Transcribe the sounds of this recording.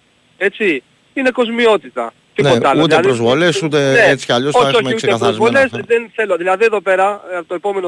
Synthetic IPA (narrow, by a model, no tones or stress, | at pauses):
e̞t͡si | ine̞ko̞zmio̞t̪it̪ɐ̰ | t̪ineoɐlut̪ieðiɾozvolesut̪̬eeet͡si̥aʎosoioçiuseeaθɐizvolesðenθe̞loðilɐðieðo̞pe̞ɾɐt̪oepo̞me̞no